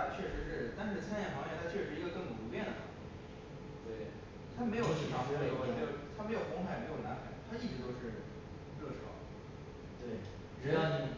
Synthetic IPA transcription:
t͡ɕʰɥɛ˥˩ʂɻ̩˧˥ʂɻ̩˥˩t̪a˥˧nʂɻ̩˥˩t͡sʰa˥njɛ˥˩nfɑ˧˥ŋjɛ˥˩t̪ʰa˥t͡ɕʰɥɛ˥˩ʂɻ̩˧˥i˧˥ɡə˧kɤ˥˩ŋtu˧˥pjɛ˥˩nd̪ə˩t̪ʰɑ̰˨˧˥ | t̪we˥˩ɪ | t̪ʰa˥me˧˥ɪjo˨˩ʊʂʰɻ̩i˥˩ʈ͡ʂʰɑ˥ŋxo˧˥˩t̪ʰa˥pi˧˥jɑ˨˩xʊ˧˥ŋxʰa˨˩ɪme˧˥ɪjo˨˩ʊna˧˥nxʰa˨˩ɪ˩t̪ʰa˥i˥˩ʈ͡ʂɻ̩˥t͡ɕo˥˧ʊʂɻ̩˥˩ | kɤ˥˩ʂɑ̰˥˩˥ | t̪we˥˩ɪ | ɻə˧˥jɑ˥˧˥

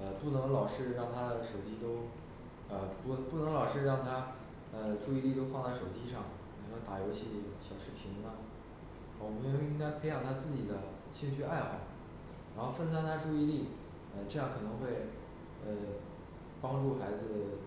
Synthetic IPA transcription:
ə˧pu˥˩nɤ˧˥ŋlɑ˨˩ʊʂɻ̩˥˧ɻɑ˥˩ŋt̪ʰa˥d̪ə˩ʂo˨˩ʊtt͡ɕi˥t̪o˥ʊ | ə˧pu˥˧pu˥˩nɤ˧˥ŋlɑ˨˩ʊʂɻ̩˥˧ɻɑ˥˩ŋt̪ʰa˥ | ə˧ʈ͡ʂu˥˧i˥˧li˥˩t̪o˥ʊfɑ˥˧ŋt͡sa˥˩ɪʂo˨˩ʊti˥ʂɑ˥˩ŋ | ni˧˥xo˥˩ʊt̪a˨˩jo˧˥ʊt͡ɕʰi˥˧li˥˩ə˩ɕjɑ˨˩ʊʂɻ̩˥˩pʰi˧˥nlə˧ | ə˧˩wɔ˨˩mə˦n˥˩i˥ŋka˥ɪpʰe˧˥ɪjɑ˨˩ŋt̪ʰa˥t͡sɹ̩˥˩t͡ɕi˨˩d̪ə˦ | ɕi˥˧nt͡ɕʰy˥˧ʔa˥˧ɪxwɑ˨˥˩ | ɻa˧˥nxo˥˧ʊfə˥nt͡sa˥˩ɪt̪ʰa˥˧ʈ͡ʂu˥˧i˥˧li˥˩ | ə˧ʈ͡ʂɤ˥˧jɑ˥˩ŋkʰɤ˨˩nɤ˧˥ŋxwe˥˩ɪ | ə˩ | pɑ˥ŋʈ͡ʂu˥˩xa˧˥ɪd͡zɹ̩˧ə˩

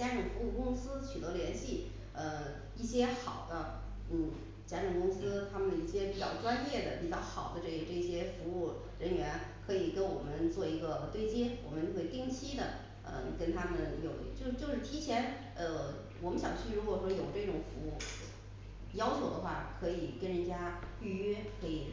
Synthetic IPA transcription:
t͡ɕja˥ʈ͡ʂʊ˨˩ŋfu˧˥u˥˩kʊ˥ŋsɹ̩˥t͡ɕʰy˨˩t̪ɤ˧˥ljɛ˧˥nɕi˥˩ | ə˧ | i˥˩ɕjɛ˥xɑ˨˩ʊd̪ə˦ | n̩˥˩ | t͡ɕja˥ʈ͡ʂʊ˨˩ŋkʊ˥ŋsɹ̩˥t̪ʰa˥mə˨nd̪ə˧i˥˩ɕjɛ˥pi˨˩t͡ɕjɑ˥˩ʊʈ͡ʂwa˥nljɛ˥˩d̪ə˩pi˨˩t͡ɕjɑ˥˩ʊxɑ˨˩ʊd̪ə˦ʈ͡ʂə˥˧ʈ͡ʂɤ˥˩ɕjɛ˥fu˧˥u˥˩ | ɻə˧˥nɥɛ˧˥nkʰɤ˧˥i˨˩kə˥nwɔ̰˨˩mə˦nt͡swɔ˥˩i˧˥ɡə˧t̪we˥˧ɪt͡ɕjɛ˥wɔ̰˨˩mə˦nt͡ɕo˥˧˥xe˥˧t̪i˥˧ŋt͡ɕʰi˥d̪ə˨ | ə̰˧˩kə˥nt̪ʰa˥mə˨˩njo˨˩ʊt͡ɕjo˥˧ʊ˥t͡ɕjo˥˧ʊʂɻ̩˥˩t̪ʰi˧˥t͡ɕʰjɛ˧˥n | ə˧ | wɔ˨˩mə˦nɕjɑ˨˩ŋt͡ɕʰy˥˩ɻu˧˥kwɔ˨˩ʂwɔ˥jo˨˩ʊʈ͡ʂɤ˥˩ʈ͡ʂʊ˨˩ŋfu˧˥u˥˩ | jɑ˥ʊt͡ɕʰjo˧˥ʊd̪ə˧xwa˥˩kʰɤ˧˥i˨˩kə˥nɻə˧˥nt͡ɕja˥py˥˧y˥˩kɤ˧˥i˨˩

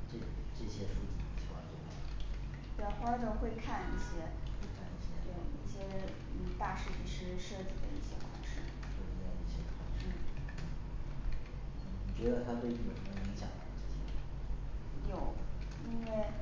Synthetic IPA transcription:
ʈ͡ʂe˥˩ʈ͡ʂɤ˥˩ɕjɛ˥ʂu˥˧t͡ɕi˥˩˧t͡ɕʰi˥wa̰˧˥ntwe˥˩t̪ʰa˥˩ | pjɑ˨˩ʊxɑ˥d̪ə˧xwe˥˧ɪkʰa˥˧ni˥˩ɕjɛ˥ | t̪wɛ˥˩ɪi˥˩ɕjɛ˥ | n̩˥˩t̪a˥˧ʂɻ̩˥˧t͡ɕi˥˧ʂɻ̩˥˧ʂɤ˥˧˩t͡ɕi˥˩d̪ə˦i˥˩ɕjɛ˥kʰwa˥˩ŋʂɻ̩˥˩ | t̪wo˥˩i˥a˥˧i˥˩ɕjɛ̰˥kʰwa˥ŋʂɻ̩˥˧˩ | i˨˩t͡ɕɥɛ˧˥d̪ə˧t̪ʰa˥t̪we˥˧ɪi˥˩ʈ͡ʂʊ˨˩ŋfə˥ŋi˥t͡ɕjɑ̰˨˩ŋla̰˧˥ʈ͡ʂɤ˥˩ɕjɛ̰˥˩ | jo˨˩˦ʊ | i˥nwe˥˩ɪ

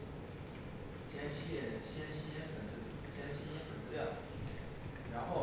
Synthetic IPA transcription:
t͡ɕʰjɛ˥nɕi˥ɛ˧˩ɕɛ˥nɕi˥i˥nxə˨˩n˥ | tʰjɛ˥nɕi˥i˥nxə˨˩nt͡sɹ̩˥˧ljɑ˥˩ʊ | ɻa˧˥nxo˥˩ʊ

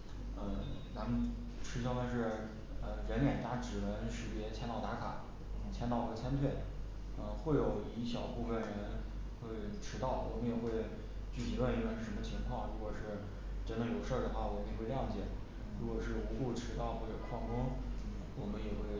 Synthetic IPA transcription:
ə˧na˧˥m˧ | ʈ͡ʂʰɻ̩˧˥ɕjɑ˥˧ʊmɛ˥˧ʂɻ̩˥˩ | ə˧ɻə˧˥nljɛ˨˩nt͡ɕja˥ʈ͡ʂɻ̩˨˩wə˧˥nʂɻ̩˥˩pjɛ˥t͡ɕʰjɛ˥nt̪ɑ˥˩ʊt̪a˧˥kʰa˨˩˦ | ə˧˩t͡ɕʰjɛ˥nt̪ɑ˥˧ʊ˧ə˥˩t͡ɕʰɛ˥ntʰjɛ˥˩ | ə˧xwe˥˩ɪjo˨˩ʊi˧˥ɕjɑ˨˩ʊpu˥˧fə˨˩nɻə˧˥n | xwe˥˩ɪʈ͡ʂʰɻ̩˧˥t̪ɑ˥˩ʊwɔ˨˩mə˦njɛ˨˩xwe˥˧ɪ | t͡ɕy˥˩t͡ɕʰi˧˥lwa˥˧ni˥˩wa˥˧nʂɻ̩˥˩ʂə˧˥mə˧t͡ɕʰi˧˥ŋkʰwɑ˥˩ŋɻu˧˥kwɔ˨˩ʂɻ̩˥˩ | ʈ͡ʂə˥nd̪ə˧˩jo˨˩ʊʂə˥˩d̪ə˩xwa˥˩wɔ˨˩mə˦njɛ˨˩we˥˧ɪljɑ˥˩ŋt͡ɕjɛ˨˩˦ | ɻu˧˥kwɔ˨˩ʂɻ̩˥˩u˧˥ku˥˩ʈ͡ʂʰɻ̩˧˥t̪ɑ˥˧ʊxwɔ˥˩ʈ͡ʂə˨˩kʰwɑ˥˩ŋtʊ˥ŋ˥˩ | wɔ˨˩mə˦njɛ˨˩xwe˥˩ɪ

